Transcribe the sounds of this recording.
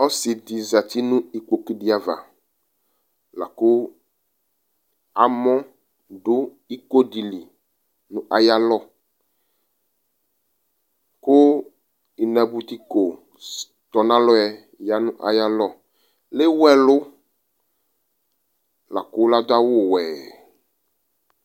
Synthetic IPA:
ɔ˦si˨d̪i˨za˨t̪i˦nũ˦i˨k͡po˨ki˦ɖi˦a˨va̰˨ | la̰˨kʊ˦ | a˨mɔ̃˦ | ɖʊ˦ | i˦ko˦ɖi˨li˨ | nũ˦ʔa˨ja˦lɔ˦ | kʊ˦ | i˨nã˨bu˨t̪i˦ko˨ | t̪ɔ˨nã˦lɔ˦ɛ˨ | ja˦nʊ̃˦ʔa̰˨ja˦lɔ˦ | lɪ˦wɛ˨lʊ˦ | la̰˨kʊ˦la˦d̪ʊ˦a˦wʊ˦˨wɛː˨

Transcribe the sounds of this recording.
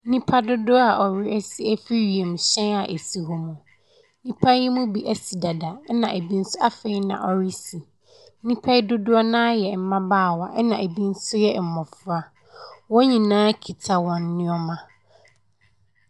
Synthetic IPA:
nĩ˦pʰa˦dʊ˦dʊ˦a˨ʔɔ˨ɾɪ˦ɛ˦si˦æ˦fi˦ɥi˨ẽ˨m˨ɕɛ̃˦na˨ʔe˨si˨ɦɔ˨mũ˨˦ | nĩ˦pʰa˦i˦mũ˦bi˨˦ʔæ˦si˨da˨da˨˦nã˨ʔe˨bi˦n̩˦sʊ˦ʔa˦fe˨i˦nã̰˨ʔɔ˦ɾi˦si˨˦ | nĩ˦pʰa˦i˦dʊ˦dʊ˦a˦nãː˦jɛ˨m̩˨mã˦baː˦˨wa˨ʔɛ˦nã˨ʔe˨bi˦n̩˦sʊ˦jɛ˦˨m̩˨mɔ˨fʊ˦a˨ | wɔ̃˦ɲĩ˨nãː˦kʰi˨tʰa˨wɔ̃˨nː˦ɪ̃˦ɔ˦mã˨

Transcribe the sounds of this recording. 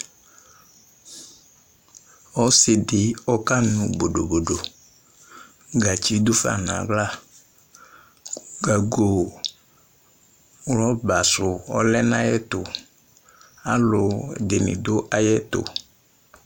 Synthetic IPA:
ɔ˦sɪ˨dɪ˨ɔ˦ka˦nʊ˨bo˨do˨bo˨do˨ | ɡa˨t͡ʃi˦dʊ˦fa̰˨na̰˨ɡla˦˨ | ɡa˨ɡo˨ | wlɔ˦ba˨sʊ˨ɔ̰˦lɛ˦nã˦jɛ˦tʊ˨ | a˦lʊ˨dɪ˨nɪ̰˨dʊ˦ʔa˦jɛ˦tʊ̰˨

